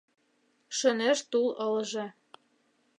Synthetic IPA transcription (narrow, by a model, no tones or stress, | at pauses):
ʃə̆neʃt̪ulɤ̆lʒɤ̆